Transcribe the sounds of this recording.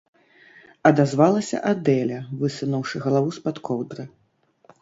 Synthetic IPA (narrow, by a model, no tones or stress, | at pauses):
ɐd̪azvalˠɐsʲɐ̰ʔad̪ɛlʲɐvɨsunɐwʂɨɣɐlˠavuspat̪kʰɔwd̪ɾɐ